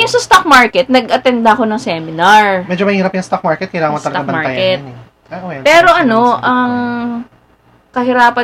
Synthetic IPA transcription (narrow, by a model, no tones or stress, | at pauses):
jʊŋsɐst̪ak̚maɹkɛt̪̚nɐɡʔɐt̪ɛnd̪ɐɐko̞nɐŋsɛmɪnɐɹmɛd͡ʒomɐhiːɾɐpjɐŋst̪ak̚maɹkɛt̪kɐjlaːŋɐŋmɐst̪ɐɡ̪ɡɐbɐmaɹajkɛt̪ | aʔojpɛːɾo̞ʔɐno̞ʔɐŋ | kɐhɪɾaːpɐ